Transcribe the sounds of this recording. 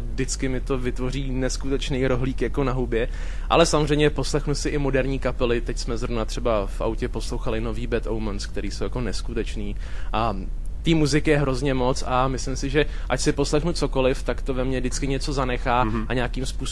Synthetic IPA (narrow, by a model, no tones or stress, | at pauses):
dɪt͡skɪmɪt̪o̞vɪt̪vo̞riːnɛskut̪ɛt͡ʃnejɾo̞ɦliːkjako̞naɦubjɛ | ʔa̰lɛsamozrɛjmɲɛpo̞slɛxnusɪʔɪmo̞dɛɾɲiːkapɛlɪt̪ɛcsmɛzɾovnat̪r̝̥ɛbafʔa̰wcɛpo̞slowxalɪno̞viːbɛt̪owmɛnskt̪ɛɾiːsowjako̞nɛskut̪ɛt͡ʃniː | ʔa | t̪iːmuzɪkjɛɦɾo̞zɲɛmo̞t͡samɪslɪmsɪʒɛ | ʔat͡ʃsɪpo̞slɛxnut͡so̞ko̞lɪft̪akt̪ovɛmɲɛdɪt͡skɪɲɛt͡so̞zanɛxaːʔaɲɛaːkiːmspuːs